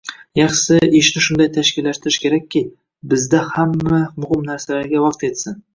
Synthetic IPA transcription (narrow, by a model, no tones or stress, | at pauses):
jɑχsɪɪʃnɪʃʊnd̪ajt̪ʰaʃkʲɪlːaʃt̪ɪɾɪʃkʲe̞ɾak̚ʲʰːɪ | bɪzd̪ahamːamʊhɪmnaɾsalaɾɡʲawɑqt̪e̞t̪sɪn